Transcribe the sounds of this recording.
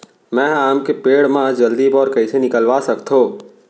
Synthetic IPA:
mɛ̃ːaːmkepeːɽmãd͡ʒəld̪ibɔːɾkɐisenɪkəlʋasɐkt̪ʰɦoː

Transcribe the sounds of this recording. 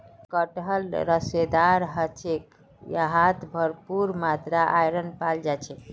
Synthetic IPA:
kəʈɦəlɾəsed̪aɾɦət͡ʃʰek | jaɦat̪ʰbʱəɾpuɾmat̪ɾaʔajɾənpald͡ʒat͡ʃʰɛ

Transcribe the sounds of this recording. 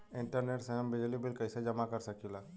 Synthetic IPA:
ɪ̃ɳʈəɾneːʈseəmbɪd͡ʒlibɪlkɐɪsed͡ʒɐmakɐɾsɐkilaː

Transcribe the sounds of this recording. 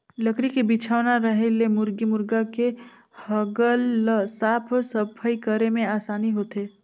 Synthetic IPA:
ləkɾikebɪt͡ʃʰaːʋnaɾəɦelemʊɾɡimʊɾɡake | həɡəlsaːpʰsəpʰəikəɾemẽaːsaːniɦoːt̪eː

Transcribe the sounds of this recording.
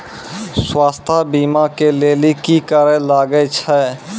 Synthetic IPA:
swaːst̪ʰabiːmakeleːlikikəɾẽlaːɡəet͡ʃʰɛː

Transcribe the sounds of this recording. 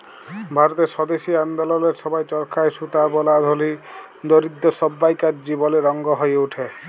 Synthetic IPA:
bʱaɾɔt̪esɔd̪esiand̪ɔlɔleɾsɔbajt͡ʃɔɾkʰajsut̪abɔlad̪ʱoli | d̪oɾid̪ːɔsɔbːajkaɾd͡ʒibɔleɾɔŋɡɔɦɔjeuʈʰe

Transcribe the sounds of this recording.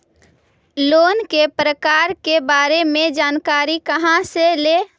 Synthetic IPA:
loːnkepɾəkaɾkebaɾemẽd͡ʒaːnkaɾikəɦãsele

